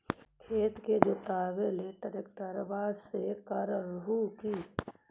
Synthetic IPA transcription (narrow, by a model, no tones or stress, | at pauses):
kʰeːt̪ked͡ʒot̪aːʋeleʈəɾɪkt̪aɾbaːsekaɾəɾbukiː